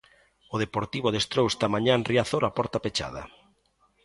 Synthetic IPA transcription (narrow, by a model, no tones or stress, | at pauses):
ʊðepoɾt̪iβʊð̞est̪ɾowest̪amãɲanriaθoɾapɔɾt̪apet͡ʃa̰ðɐ̰